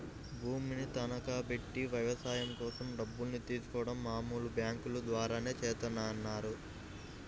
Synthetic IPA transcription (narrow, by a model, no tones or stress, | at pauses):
bʱuːminit̪ɐnɐkaːpe̞ʈːiʋɐjʋɐsaːjɐmkɔːsɐmɖɐbːulnit̪iːsu̥kɔːʋɐɽɐmːaːmuːlubjaːŋkulud̪ʋaːɾaːne̞ːt͡ʃɛːt̪ɐnːaːɐnːaːɾu